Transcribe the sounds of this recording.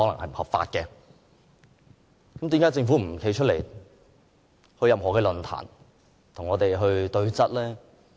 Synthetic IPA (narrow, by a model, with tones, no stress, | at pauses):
hɔː˨˥lɐ˨˩ŋhɐ˨jm̩˨˩hɐ˨p̚fa̰ː˧t̚kɛ˧ | kɐ˨˥mt̪iː˨mkaː˨˥t͡sɪ˧ŋfuː˨˥m̩˨˩kʰe˨˧˥jt͡ʃʰɵ˥t̚lḛ˨˩j | hɵ˧ɥjɐ˨mɦɔː˨˩kɛː˧lɵ˨nt̪ʰa̰ː˨˩n | t̪ʰʊ˨˩ŋɔː˨˧t̪e˨jɦɵ˧ɥt̪ɵ˧ɥt͡sɐ˥t̚lɛː˥